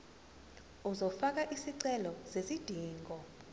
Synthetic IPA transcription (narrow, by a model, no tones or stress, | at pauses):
uzɔfak̬aʔisiǀɛlɔzezid̥ʱiːŋɡʱɔ